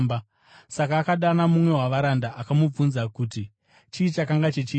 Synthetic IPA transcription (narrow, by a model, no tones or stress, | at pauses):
ba | sakaːkaɗanamumwe̞waʋaɾandaʔakamub͡vunzakuːti | t͡ʃiːt͡ʃakaŋɡat͡ʃet͡ʃiː